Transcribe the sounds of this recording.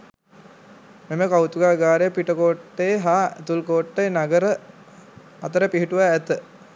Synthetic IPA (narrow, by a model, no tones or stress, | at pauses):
meməkawt̪uɡaːɡaːɾejəpiʈəkoːʈːejɦaːet̪ulkoːʈːenaɡəɾə | ɐt̪əɾəpiɦiʈuʋaːt̪ə